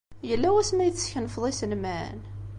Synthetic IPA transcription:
jəlːæwæsmæjθəsçənfðˤisənmæ̰n

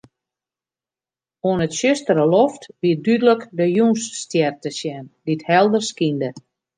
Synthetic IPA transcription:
oənətʃøstəɾəloftʋidydələkdəjunsːtjɛrtəsjɛndithɛlˠdərskində

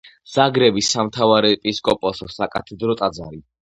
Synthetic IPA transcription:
z̥aɡɾɛbisamt̪ʰavaɾɛpʼiskʼɔpʼɔsɔsakʼat̪ʰɛd̪ɾɔt̪ʼad̪za̰ɾi

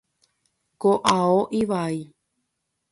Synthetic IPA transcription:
koʔaoʔiʋai

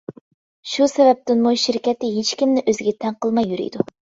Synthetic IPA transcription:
ʃusɛvɛp̚t̪ɪnmuʃiɾkʲɛt̪ɪɦet͡ʃkʲimnɪʔøzɪɡʲɛt̪ʰɛŋqəlˠmɑjːyɾy̰jd̪u

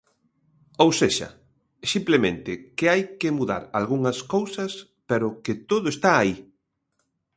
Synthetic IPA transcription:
owseʃɐ̰ | simplemẽnt̪ɪkɪajkɪmuða̰ɾalɣuŋɐskowsɐs | peɾʊkɪt̪oðʊest̪aːi

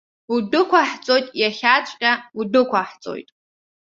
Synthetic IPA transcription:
udɨkʷʰaħt͡sʼo̞jtʼjaχʲat͡ʃʷʼqʲʼaudɨkʷʰaħt͡sʼo̰jtʼ

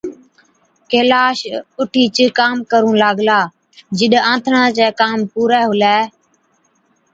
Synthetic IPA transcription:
keːlaːʃʊʈʰiːt͡ʃəkaːmkəɾũːlaːɡlaː | d͡ʒɪɗãːt̪ʰɳãːt͡ʃɛːkaːmpuːɾɛːɦʊlɛː

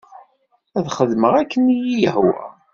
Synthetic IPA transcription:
æðχəðməʁækːənijijəhwæ̰

